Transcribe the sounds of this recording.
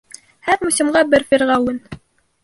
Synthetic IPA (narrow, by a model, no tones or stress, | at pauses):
hæɾmusʲimɢɑbɘɾfʲiɾʁɑwɘn